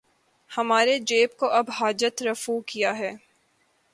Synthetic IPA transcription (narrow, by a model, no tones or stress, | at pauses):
hɐmaːɾed͡ʒeːpkoʔɐbɦaːd͡ʒət̪ɾɐfuːkijaɦɛː